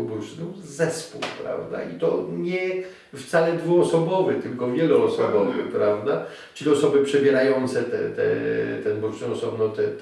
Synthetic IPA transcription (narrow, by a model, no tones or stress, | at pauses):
bɾuʂnu | zɛspuwpɾa̰vd̪a̰it̪ɔɲɛ | ft̪salɛd̪vuɔsɔbɔvɛt̪ɘlkɔvʲjɛluːsɔbɔvɨ̰xpɾavd̪a | t͡ʂɘlʲiɔsɔbɘpʂɛbʲjɛɾajɔnt̪sɛt̪ɛ̰t̪ɛ̰t̪ɛnbuɾuʂnɛɔsɔbnɔt̪ɛ